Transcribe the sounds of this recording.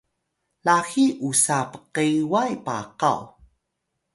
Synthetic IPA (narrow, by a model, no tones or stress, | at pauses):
laxiʔusapə̥qewajpa̰qa̰w